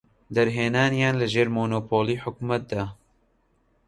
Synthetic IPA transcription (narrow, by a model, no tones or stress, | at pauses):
d̪ɛɾɦeːnaːnjaːnlɨʒeːɾmoːnoːpʰoːliːħʊkmɛt̪̚d̪ɑ